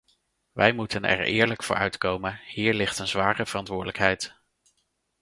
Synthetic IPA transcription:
ʋʔɛjmutənɛ̰ɹɪ̰ːɹləkfʊ̰ːɹœɥtkowmənhiːɹlɪχtənzʋaːrəv̥ərɑntʋʊːɹdələkɦɛjt

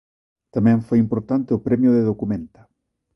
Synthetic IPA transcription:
t̪amɛ̃ɱfojimpoɾt̪ant̪eʊpɾɛmjʊðeðokumẽnt̪ḁ

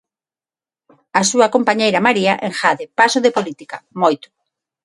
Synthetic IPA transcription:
asuɐkompaɲejɾɐmaɾiaʔeŋxaðɪpasʊðepolit̪ikamojt̪ʊ̥

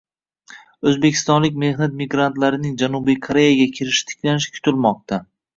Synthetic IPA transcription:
ɵzbekʲʰɪ̥st̪ɒnlɪkʲme̞hnat̪̚miɡɾant̪laɾɪnɪŋd͡ʒanubijkʰoɾe̞jaɡʲakʲʰɪɾɪʃɪ̥t̪ʰɪ̥kʲʰlanɪʃɪ̥kʲʰʊ̥t̪ʰɪlmɒq̚t̪ʰa

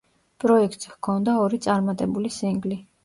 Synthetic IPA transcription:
pʼɾɔɛkʰt̪ʼshkʰɔnd̪aɔɾit̪sʼaɾmat̪ʼɛbulisiŋɡli

